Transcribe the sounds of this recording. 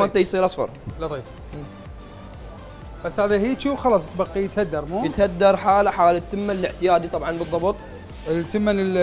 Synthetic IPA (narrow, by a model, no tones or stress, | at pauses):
ant̪ajsˤiːɾʔasfɑ̰ɾˤlɑt̪ˤiːfː | basːhaːðihiːt͡ʃuːxɑlɑːsˤt̪bɑqːijət̪had̪ːɑɾˤmujət̪had̪ːɑɾˤħaːlaħaːlat̪ːəmːanələʕt̪ɪjaːd̪it̪ˤɑbʕɑnbɨðˤːɑbt̪ˤ | t̪əmːanl